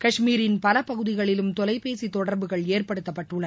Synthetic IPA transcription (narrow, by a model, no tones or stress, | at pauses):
kɐʂmiːɾɪnpɐlɐpɐɣɯðɪɣɐɭɪlɯmt̪ɔlɐɪpeːsit̪ːɔɽɐɾbɯɣɐɭeːrpɐɽɯt̪ːɐpːɐʈːɯɭːɐ